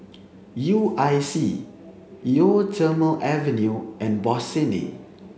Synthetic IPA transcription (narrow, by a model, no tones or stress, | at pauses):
juʔajsi | jotʰəməlʔɛvɛ̃njuʔɛ̃nbɔsɛnḭ